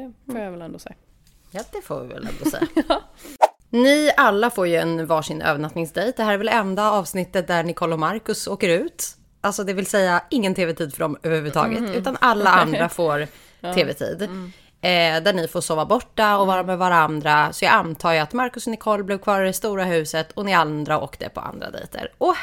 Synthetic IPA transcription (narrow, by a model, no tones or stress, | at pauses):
foːjavɛlɛnd̪osɛa | jɑːd̪ɛfo̰ːvɪ̰vɛ̰lɛ̰nd̪ɔ̰sɛ̰jːa | nɪʔalːafoːɾjɵɛnvɑːʂɪnʔø̰ːvəɳat̪nɪŋsd̪ɛjt̪̚d̪ɛhæːɾɛɾvɛlɛnd̪aɑːvsnɪt̪ːət̪̚d̪æɳɪkʰɔlːɔmaɾkɵsoːkəɾʉ̟ːt̪ | ʔalsɔd̪ɛvɪlsɛjːaɪŋːənt̪ʰeːvɛt̪ʰiːd̪fœɖɔmøːvəhʉ̟vːʉːt̪ʰɑ̰ːɡə̰t̪ʉ̟ːt̪analːaand̪ɾafoːɾ | tʰeːvɛt̪ʰḭːd̪ | d̪æɳɪfoːʂoːvabɔʈːaɔvɑːɾamɛvaɾaand̪ɾasɔjɑːɡant̪ʰɑːjat̪maɾkɵsnɪkʰɔlːblɪvkʰvɑːɾɪɾɛst̪uːɾaɦʉ̟ːsət̪ʰɔnɪand̪ɾao̰ːkd̪ɛ̰pʰɔ̰a̰nd̪ɾa̰d̪ɛ̰jt̪ʰə̰ɾɔ